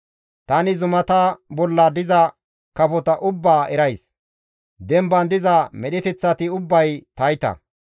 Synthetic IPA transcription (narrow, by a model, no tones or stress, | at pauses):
t̪ɐnɪzʊmɐt̪ɐbɔlːaːd̪ɪzɐ | kɐfɔt̪ɐʔʊbːaːʔɛɾɐjs | d̪ɛmbɐnd̪ɪzɐmɛɗɪt̪ɛt͡sːɐt̪ɪʊbːɐjt̪ɐjt̪ɐ̰